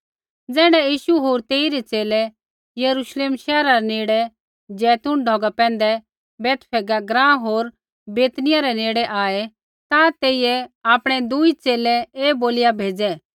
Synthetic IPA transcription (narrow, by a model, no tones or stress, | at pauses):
d͡zɛːɽ̃ɛjiːʃuɦoːɾt̪eːiɾɛt͡seːlɛ | jɐɾuʃleːmʃɛːɾaɾɛneːɽɛ | d͡ʒɛːt̪uɳɖʱɔːɡapɛ̃ːn̆d̪ɛ | bɛːt̪pʰɛːɡaɡɾãːɦoːɾ | beːt̪nɪjaɾɛneːɽɛʔaːɛ | t̪ãt̪eːijɛaːpɽ̃ɛd̪uit͡seːlɛeːboːlɪjabʱeːd͡zɛ